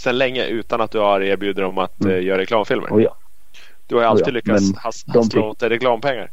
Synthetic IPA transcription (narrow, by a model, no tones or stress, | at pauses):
sɛnlɛŋːə̰ʔʉ̟ːt̪anat̪̚d̪ɵhaɾeːɾbjʉ̟ːd̪əɾɔmat̪jœːɾaɾɛklɑːmfɪlmʔə̰ɾ | d̪̥ɵhajalt̪id̪lʏkːahasloːt̪ːəɾɛklɑːmpʰɛŋːa̰ɾ